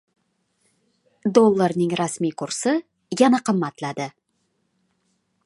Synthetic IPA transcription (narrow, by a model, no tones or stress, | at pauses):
d̪o̞lˠːarnəŋrɑsmijqʰʊɾsə | ʒɑnɑqʰəmːɑt̪lˠɑd̪ə